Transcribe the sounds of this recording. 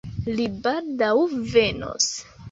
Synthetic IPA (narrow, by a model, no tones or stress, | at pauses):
libaldawve̞no̰s